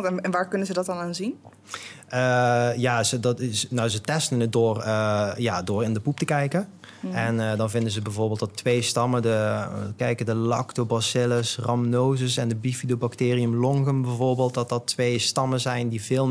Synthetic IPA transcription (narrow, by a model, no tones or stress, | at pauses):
ɛnɛnʋaːɹkɵnəzədɔt̚ɑnaːnzin | əːjaːzədtɪnɔwzətɛstənət̚doːrəjaːdoːrɪndəpup̚təkɛjkən | ɛndɑnvɪndənzəbɛjvoːɹbɪːlˠdɔtʋejstɑmədəkɛjkədəlɑ̰ktobɑsɪləsrɑmnoːzəsɛndəbifidobaktɪːriəmlɔŋɣəmbɛjvoːɹbɪːlˠt̚dɑt̚dɑtʋejstɑmənzɛjndiv̥ɪːlˠ